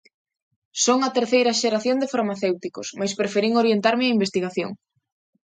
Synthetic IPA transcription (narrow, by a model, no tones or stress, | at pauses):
soŋɐt̪eɾθejɾɐʃeɾaθjond̪efaɾmaθewt̪ikosmajspɾefeɾiŋoɾjent̪aɾmɪɐimbest̪iɣ̞aθjo̰ŋ